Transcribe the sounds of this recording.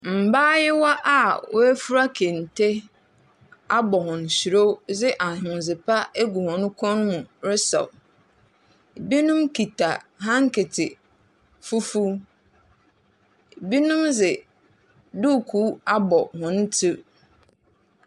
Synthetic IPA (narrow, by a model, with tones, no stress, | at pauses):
m̩˨baː˦jɪ˦wa˦ʔa˦wʊ˦æ˦fu˦ɾa˦kʰe˨n̩˨tʰe˦ | a˦bɔ˨hʊ̃˨n̩˨ɕi˨ɾo˦zɪ˦ʔa˨hʊ̃˨n˨zɪ˨pʰa˦e˦ɡu˨hɔ̃˨nʊ̃˦kʰɔ̃˦n˦mũ˨ɾɪ˦sɔ̰˨ | bi˦nʊ̃˦mki˨tʰa˨ɦã˦ŋ˦kʰɪ˨tʰɪ˨ | fu˦fu˦ | bi˦nʊ̃˦mzɪ˨ | du˦˨kʰuː˦a˦bɔ˨hʊ̃˨n̩˦tʰɪ˦